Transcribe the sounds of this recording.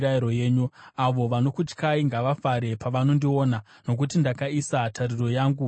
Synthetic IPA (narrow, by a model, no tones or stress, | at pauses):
ɾaiɾo̞je̞ːɲuaʋo̞ʋano̞kut͡ʃkaiŋɡaʋafaɾe̞paʋano̞ndio̞ːna | no̞k̬utindakaisatʰariro̞jaːŋɡu